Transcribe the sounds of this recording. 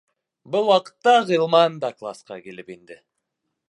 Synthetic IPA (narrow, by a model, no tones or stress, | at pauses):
bʊlˠwɑqə̥t̪ːɑʁilˠmɑnd̪ɑklˠa̰sqɑ̰kʲelɪpend̪ɪ